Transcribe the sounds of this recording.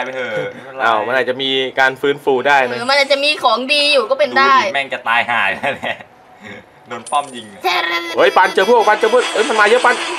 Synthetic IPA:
ʔː | ʔaː˧˩wma˧nʔaː˨˩t̚t͡ɕa˨˩miː˧kaː˧nfɯː˦˥nfuː˧daː˥˩jna˦˥˧ma˧nʔaː˨˩t̪̚t͡ɕa˨ʔmiː˧kʰɔː˩˦ŋdiː˧juː˨˩kɔː˥˩pe˧ndaː˥˩jmɛ˧˩ŋt͡ɕa˨˩t̪aː˧jɦa̰ː˨˩ja˥˩ɛ˦˥ | no˧np̪ɔ˥˩mji˧ŋ˧ʔo˦˥jpa˧nt͡ɕɤː˧pʰu˥˩˨pa˧nt͡ɕɤː˧pʰu˥˩t̚ʔɤː˦˥˩jma˧nmaː˧jɤ˦˥ʔpa˧n

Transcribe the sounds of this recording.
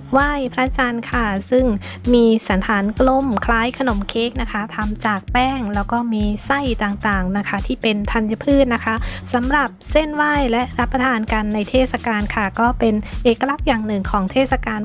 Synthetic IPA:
waː˥˩jpʰɾa˦˥t͡ɕa˧nkʰa˧˩sɯ˥˩ŋ | miː˧sa˩˦nt̪ʰaː˩˦nklo˧˩mkʰlaː˦˥jkʰa˧no˩˦mkʰeː˦˥k̚na˦˥kʰa˦˥t̪ʰa˧mt͡ɕaː˨˩k̚pɛː˥˩ŋlɛː˦˥wkɔː˥˩miː˧sa˥˩jt̪aː˨˩ŋt̪aː˨˩ŋna˦˥kʰa˦˥t̪ʰiː˥˩pe˧np̪ʰa˧nja˧˥pʰɯː˥˩t̪̚na˦˥kʰa˦˥sa˩˦mɾa˨˩p̚se˥˩nwaː˥˩jlɛ˦˥ʔɾa˦˥pːa˧t̪ʰaː˧nka˧nːa˧jt̪ʰeː˥˩t̪̚sa˧kaː˧nkʰa˧˩kɔː˥˩pe˧nʔeː˨˩kːa˧la˦˥˩k̚jaː˨˩ŋnɯ˨˩ŋkʰɔː˩˦ŋt̪ʰeː˥˩sa˧kaː˧n

